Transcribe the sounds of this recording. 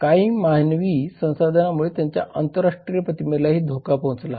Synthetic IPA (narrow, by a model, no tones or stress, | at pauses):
kaiːmaɦnʋiːsə̃w̃sad̪ʱənamuɭet̪jaɲt͡ɕja̰ʔənt̪əɾaʂʈɾijəpət̪imelaɦiːd̪ʱokapõt͡sla̰